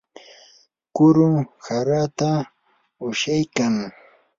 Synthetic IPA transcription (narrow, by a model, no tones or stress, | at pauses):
kʊɾʊŋhaɾat̪a | ʊʃajkaŋ